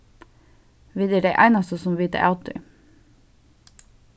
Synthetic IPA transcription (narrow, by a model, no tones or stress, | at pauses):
ʋiːd̪əɖeɪʔæ̰ɪnɑst̪əsɔmʋiːt̪ə̰ʔɑʉt̪ɪ̰